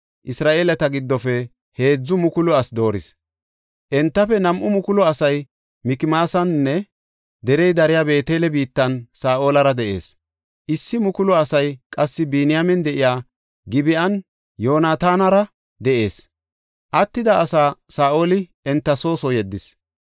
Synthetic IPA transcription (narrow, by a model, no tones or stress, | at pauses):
ʔɪsɾaːʔeːlɐt̪ɐɡɪd̪ːɔfɛ | he̞ːd͡zːʊmʊkʊlɔɐsd̪o̞ːɾɪs | ʔɛnt̪ːɐfɛnɐmʔʊmʊkʊlɔɐsɐj | mɪkɪmaːsɐnːɛ | d̪ɛɾɛjd̪ɐɾɪjaːbe̞ːt̪eːlɛbiːt̪ːɐnsaːʔo̞ːlɐɾɐd̪ɛʔe̞̰ːs | ʔɪsːɪmʊkʊlɔɐsɐjkʼɐsːɪbiːnɪjamɛnd̪ɛʔɪjaː | ɡɪbɪʔɐn | jo̞ːnaːt̪aːnɐɾɐ | d̪ɛʔe̞ːs | ʔɐt̪ːɪd̪ɐʔːsaːsaːʔo̞ːlɪ | ɛnt̪ːɐso̞ːsɔjɛd̪ːɪs